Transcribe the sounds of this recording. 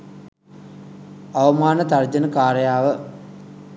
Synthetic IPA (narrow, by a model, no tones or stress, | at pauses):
ɐʋəmaːnət̪ard͡ʑənəkaːɾɐjaːʋə